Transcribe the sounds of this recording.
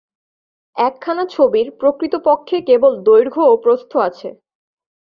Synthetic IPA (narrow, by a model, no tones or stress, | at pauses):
ɛkʰːanat͡ɕʰobiɾpɾokɾit̪opokʰːekebold̪ojɾɡʱoopɾost̪ʰoat͡ɕʰe